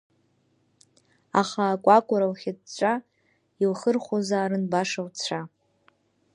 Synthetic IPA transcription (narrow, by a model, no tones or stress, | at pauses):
aχaːkʷʼakʷʼʊɾalχʲadt͡ʃʷʼa | ilχərχʷozaːɾɨnbaʂawt͡ɕʷʰa